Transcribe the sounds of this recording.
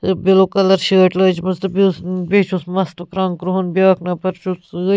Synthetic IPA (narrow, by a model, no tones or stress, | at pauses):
biloːkɐlɐɾʃeːʈlɐːd͡ʒmɐzt̪ɨbisbeːt͡ʃʰusmɐst̪ɨkɾaːŋkɾuɦunbʲjaːknɐpɐɾt͡ʃʰus